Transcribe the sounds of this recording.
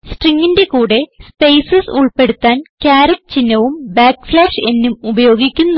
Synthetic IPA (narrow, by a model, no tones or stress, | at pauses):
sʈriŋːinde̞kuːɽe̞spejsɐsuɭpe̞ɽut̪ːaːnkʲaːɾɐkt͡ɕinːɐʋumbaːkːflaːʂe̞nːumubɐjo̞ːɡikʲːunː